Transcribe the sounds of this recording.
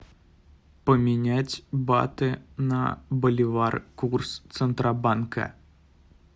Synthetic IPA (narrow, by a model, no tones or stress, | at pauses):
pəmʲɪnʲætʲba̰t̪ɨnɐ̰bəlʲɪvarkurst̪sɨnt̪ɾʔabankɐ̰